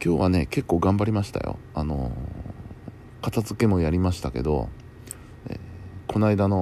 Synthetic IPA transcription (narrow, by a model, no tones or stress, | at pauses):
kʲo̞ːβane̞̰ke̞kːo̞ːɡãmbaɾʲimaɕi̥t̪a̰jo̰ | ano̞̰ | kat̪azɨke̞mo̞jaɾʲimaɕi̥t̪ake̞̰d̪o̞̰ | ḛkʰo̞naid̪ano̞